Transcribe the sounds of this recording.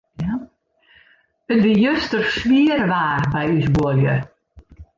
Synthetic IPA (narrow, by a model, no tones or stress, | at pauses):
ja | ətʋijøstərsʋiərʋaːrbɛjysbuəljə